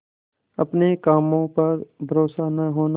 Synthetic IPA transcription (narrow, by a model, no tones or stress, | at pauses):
ɐpnekaːmõpɐɾbʱɐɾoːsanɐɦoːna